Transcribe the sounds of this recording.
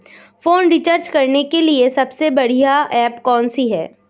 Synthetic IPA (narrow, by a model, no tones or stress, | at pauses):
foːnɾit͡ʃəɾd͡ʒkɐɾnekeliesɐbsebɐɽ̤ijaɛːpkɔːnsiɦɛ̰ː